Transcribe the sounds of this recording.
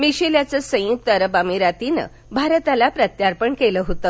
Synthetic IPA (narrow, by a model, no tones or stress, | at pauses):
miɕeljat͡səsə̃juk̚t̪əɾəbamiɾat̪inə̰ | bʱaɾət̪alapɾət̪jaɾpəɳkeləɦot̪ə